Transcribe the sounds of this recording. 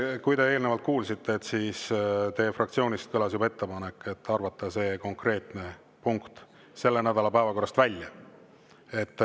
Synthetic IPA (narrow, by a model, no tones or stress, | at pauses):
kujd̪e̞eːlnevɑlt̪̚kuːlsit̪ːe̞ːt̪ːsist̪e̞ːfrɑkt̪sio̞ːnʲist̪̚kɤlɑsjubɑe̞t̪ːe̞pɑnekːˑe̞t̪ːɑrvɑt̪ˑːɑse̞ːko̞ŋkre̞ːt̪ne̞ | puŋkt̪ | se̞lːenæd̪̥ɑlɑpævɑko̞rːɑst̪vælʲjɑ | e̞t̪ːˑ